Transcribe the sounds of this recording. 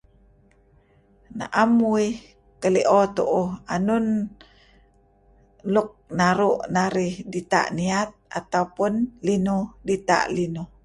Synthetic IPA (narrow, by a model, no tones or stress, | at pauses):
na̰ʔamuih | kəliʔɔt̪uʔuanun | lʊk̚naɾuʔnaɾihdit̪a̰ʔniat̪̚a̰t̪aupʊnlinudit̪a̰ʔlinu